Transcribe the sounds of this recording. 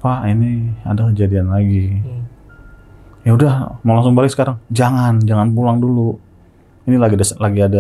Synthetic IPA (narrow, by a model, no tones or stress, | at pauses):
paʔinia̰dakəd͡ʒadianlaɡi | jaudahməŋlaŋsʊŋbalɪk̚sə̥kaɾaŋd͡ʒaŋand͡ʒaŋanpulaŋdulu | inilaɡdaslaɡiada